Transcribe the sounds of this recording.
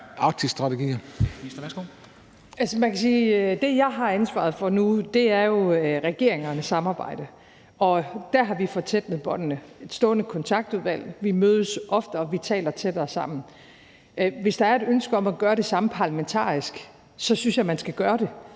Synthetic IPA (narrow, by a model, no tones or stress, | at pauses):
ɑ̈ɡ̥̚t͡sʰisd̥ʁɑ̈t͡sʰeɡḭːɐ̥ | o | ælsəmænkʰæsiːd̥e̝jɑ̈ɪɦɑ̈ænsʋɑ̰̈ð̩ˠfɒ̽nud̥e̝æɐjo̝ʁɛɡ̥e̝ɐ̰eŋɐnəsɑ̈mɑ̈ːb̥ɑ̈ɪ̰d̥ə | ɒ̽d̥æɐɦɑ̈ʋifɒ̽t͡sʰel̥məðˠb̥ɒ̽n̰ənəe̝d̥sd̥ɔ̰ːnəkʰɒ̽nt͡sʰɑ̈ɡ̥̚d̥uðˠʋæl̰ʋimøːð̞ˠəsʔɒ̽fd̥əɒ̽ʋit͡sʰɛ̰ːlɐt͡sʰe̝d̥æsɑ̈m̰n̩ | ʋe̝sd̥ɑ̈æɐe̝d̥ønsɡ̥əɒ̽mæɡ̥ɶːɐɾe̝sɑ̈m̩pʰɑ̈læment͡sʰɑ̰̈ːisɡ̥ | sɒ̽synsjɑɪmænsɡ̥æɡ̥ɶːɐɾ̥e̝